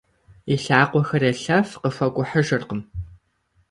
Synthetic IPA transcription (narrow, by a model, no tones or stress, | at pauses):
iɬaːqʷɔxɐɾɐɬɐfqəfʷɐkʷʼʊħəʒɨrqəm